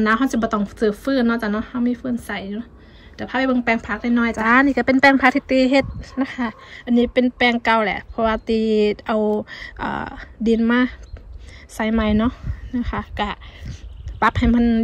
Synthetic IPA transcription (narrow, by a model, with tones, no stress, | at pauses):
naː˧˨wɦa˧˨nsi˧bɔː˧˦t̪ɔ˧˩˨ŋsɯː˧˩fɯː˧˩˨nɔ˧˨t͡ɕa˧˩nɔ˧˥˨ha˧˩wmiː˧˥˨fɯː˧˥˩nsa˨˩juː˧ | t̪ɛː˧˩pʰaː˧a˧˦bɤ˧˨ŋpɛː˧˩ŋpʰaː˧k̚na˧jnɔː˧˩˨jt͡ɕa˧ʔniː˧˨ka˧˩pe˧˨npɛː˧˨ŋpʰaː˧˥t̪ʰi˧t̪ːiː˧˨ɦe˧t̪̚na˧˥kʰa˧ | ʔa˧˨nːiː˧˩pe˧˨npɛː˧˨ŋka˧wlɛ̰˧˨ʔpʰɔ˧waː˧t̪iː˧ʔa˧wʔa̰ː˧˩di˧˩nmaː˧˥˨ | sa˨˧˦jma˧˩jnɔ˧˥˨ʔna˧kʰa˧ka˧˩ | pa˧˦p̚ha˧˨˩jma˧˨n